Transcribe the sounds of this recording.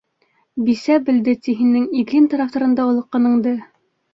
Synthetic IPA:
bisæbɘ̆ld̪ɘt̪iɦɘ̆nːɘŋid̪lint̪ɑɾɑft̪ɑ̆ɾɤ̆nd̪ɑulˠɤ̆qːɑ̆nɤ̆ɴd̪ɤ

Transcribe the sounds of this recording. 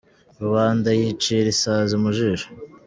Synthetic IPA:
ɾuβaːndajit͡ʃiɾisaːzimuʒiʒo̥

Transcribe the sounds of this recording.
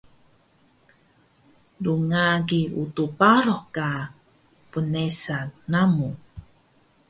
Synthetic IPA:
duŋaɡiutupaɾɔhka | pənesaːamu

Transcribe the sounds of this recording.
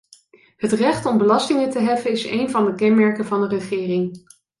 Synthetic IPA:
ɦətrɛχtɔmbəlɑstɪŋətəɦɛfənɪsḛjnvɑndəkɛnmɛɹkənvɑndərəχɪːrɪŋ

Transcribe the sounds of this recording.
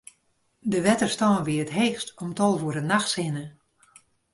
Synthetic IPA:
dəʋɛtərstɔːnʋiəətɦeːxstɔmtɔlˠvuəɾdənaxtsɪnə

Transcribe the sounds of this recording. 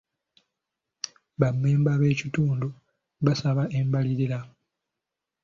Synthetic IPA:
βamːeːmbaβe̞ːcituːndu | βasaβaʔe̞mbaliɾila

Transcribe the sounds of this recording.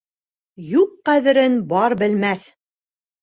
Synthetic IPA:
juqːæðɘ̆ɾɘnbɑɾbɘ̆lmæθ

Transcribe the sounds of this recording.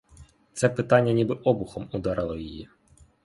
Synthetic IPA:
t̪sɛpɪt̪ɑnʲːɐnʲibɪʔɔbʊxɔmud̪ɑɾɪlˠɔjiji

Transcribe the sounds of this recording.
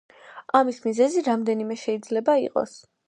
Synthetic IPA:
amismizɛziɾamd̪ɛnimɛʃɛid̪zlɛbaiqʼɔ̰s

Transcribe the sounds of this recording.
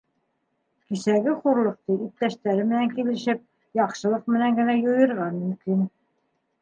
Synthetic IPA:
kisæɡɘχuɾlˠɤ̆q̚t̪ɤʔip̚t̪æʃt̪æɾɘmɘ̆næŋkilɘ̆ʃɘp̚ | jɑqʃɤ̆lˠɤq̚mɘ̆næŋɡɘ̆næjŏjɤ̆ɾʁɑnmɵ̆mkin

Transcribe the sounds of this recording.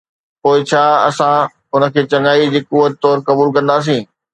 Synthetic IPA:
poːɪt͡ɕʰaːɐ̰sã | ʊnə̆kʰeːt͡ɕɐŋaːid͡ʑiːkʊʋət̪t̪ɔːɾkɐbuːlkɐ̃nd̪aːs̬ĩː

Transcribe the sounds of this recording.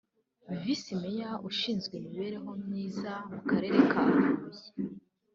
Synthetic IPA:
mivisimejaʔuʃiːnzɡwemiβe̞ɾe̞ɦo̞mŋiːzamukaɾe̞ɾe̞kʰaːvuze

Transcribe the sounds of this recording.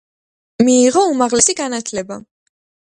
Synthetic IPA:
miːʁɔumaʁlɛsiɡanat̪ʰlɛba

